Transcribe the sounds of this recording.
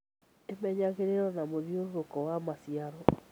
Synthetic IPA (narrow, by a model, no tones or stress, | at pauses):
emɛɲaɣeɾeɾɔnamoðioɾoɾokɔwamasiaɾɔ